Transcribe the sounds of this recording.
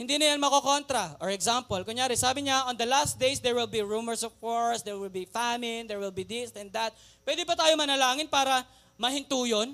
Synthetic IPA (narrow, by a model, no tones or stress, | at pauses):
hɪnd̪iːnɐjanmɐkoko̞nt̪ɾɐɔɹɛksampolkʊŋjaːɾɛsaːbɪɲaʔɔnd̪ɐlast̪̚d̪ejsd̪ɛɹwɪlbiɹumɛɹsɔfkoɹsd̪ɛɹwɪlbifamnd̪ɛɹwɪlbid̪ɪst̪ɛ̃nd̪ɐt̪̚ | pwɛd̪ɪbɐt̪aːjomɐnɐlaːŋɪnpaːɾɐ | mɐhɪnt̪uːjon